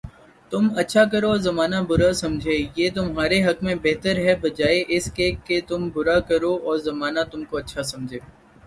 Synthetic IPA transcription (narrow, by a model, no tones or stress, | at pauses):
t̪ʊmɐtːʃʰak̬ɐɾoɔzɐmaːnabʊɾasɐ̃md͡ʒʱeːjeːt̪ʊmɦaːɾeɦɐkmẽbɛɦt̪əɾɦɛbɐd͡ʒaːeʔɪskekːet̪ʊmbʊɾakɐɾoɔːɾzɐmaːnat̪ʊmkoɐtːʃʰasɐ̃md͡ʒʱeː